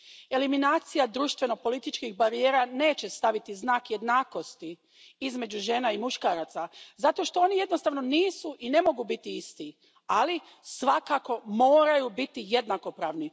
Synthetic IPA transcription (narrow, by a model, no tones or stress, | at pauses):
e̞liminaːt̪sijad̪ɾuːʃt̪ʋe̞no̞po̞lit̪it͡ʃkixbaɾijeːɾane̞ːt͡ɕe̞st̪aʋit̪iznaːkje̞d̪naːko̞st̪i | izme̞d͡ʑuʒe̞naimuʃkaːɾat̪sazat̪o̞ʃt̪o̞oːnijed̪no̞st̪aːʋno̞niːsuʔine̞mo̞ɡubit̪iist̪i | ali | sʋakako̞mo̞ːɾajubit̪ije̞d̪nako̞pɾaːʋni